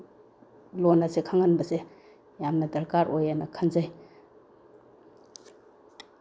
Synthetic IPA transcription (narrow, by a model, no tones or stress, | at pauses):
lonasekʰaŋanbɐse | jamnɐdɐɾkaɾʔojanɐkʰanzaj